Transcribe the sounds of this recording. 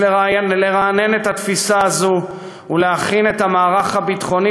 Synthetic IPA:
eʁaleʁaːne̞net̪hat̪fisaːzu | uleaχine̞t̪amaːʁaχabit̪χo̞ni

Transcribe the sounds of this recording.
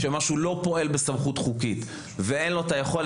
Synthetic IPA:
ʃemaʃulo̞po̞e̞lbesamχut̪χukit̪ | veenlo̞tajeχo̞l

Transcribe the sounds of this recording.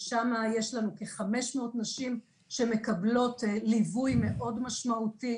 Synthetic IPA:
ʃamajeʃlanukeχameʃmeotnaʃim | ʃe̞me̞kablo̞tlivujme̞ʔo̞dmaʃmaʔuti

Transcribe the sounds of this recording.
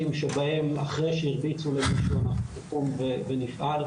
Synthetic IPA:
imʃebahe̞ma̰χʁejʃeiʁbit͡sulemiʃonaχkumvevenifʔal

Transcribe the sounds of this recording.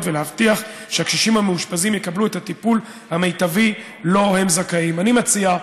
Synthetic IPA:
tvelehavtiaχ | ʃeakʃiʃimhameuʃpazimjekabluethatipul | hamejtavi | lo̞hemzakaimanimat͡sia

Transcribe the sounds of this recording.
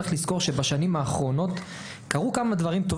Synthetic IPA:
eχlisko̞ʁʃe̞baʃanimaːχʁo̞no̞t | kaʁukamad̪vaʁimt̪ov

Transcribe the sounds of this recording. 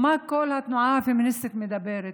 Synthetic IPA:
makːoːlhat̪nʊʕaːfimɪnʔɪsːɪt̪mɪd̪abeːɾɪ

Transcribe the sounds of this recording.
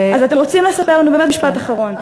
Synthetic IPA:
azat̪emʁo̞t͡simle̞sape̞ʁlanubemet̚miʃpat̪aχaʁo̞n

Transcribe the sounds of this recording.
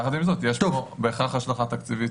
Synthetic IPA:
χat̪imzot̪jɛʃubeːχaχjaʃlaχat̪akt͡sivi

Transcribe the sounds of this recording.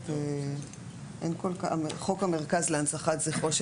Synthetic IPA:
te | ʔenkolkaaeχo̞kame̞ʁkazleansaχatzeχo̞ʃ

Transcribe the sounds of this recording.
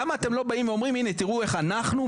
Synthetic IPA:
amaːt̪e̞mlo̞baimveo̞mʁiminet̪iʁue̞χanaχnu

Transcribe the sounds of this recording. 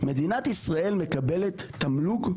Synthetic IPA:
me̞d̪inat̪isʁae̞lme̞kabelet̪ːamluɡ

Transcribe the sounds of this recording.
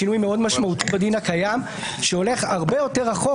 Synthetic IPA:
inujmeo̞d̪maʃmaut̪ibed̪inakajam | ʃeo̞le̞χaʁbejo̞te̞ʁaχo

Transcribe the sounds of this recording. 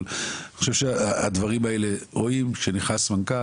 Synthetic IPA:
laniχoʃevʃeaad̪vaʁimaeleʁoimkʃeniχnasmanka

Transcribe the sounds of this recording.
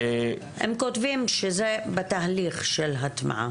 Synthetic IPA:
hḛmkotvimʃezebet̪aɦaliχʃelɦat̪ma̰ʕa̰

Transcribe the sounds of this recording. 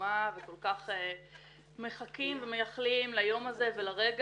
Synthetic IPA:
aveko̞lkaχe | me̞χakimveme̞jaχlimlajo̞maze̞ve̞laʁe̞ɡ

